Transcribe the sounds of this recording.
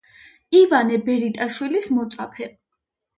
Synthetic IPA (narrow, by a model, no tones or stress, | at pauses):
ivanɛbɛɾit̪ʼaʃwilismɔt̪sʼapʰɛ